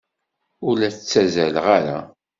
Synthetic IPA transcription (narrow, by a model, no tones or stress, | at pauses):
ʊlæθt͡sːæzælʁaɾa̰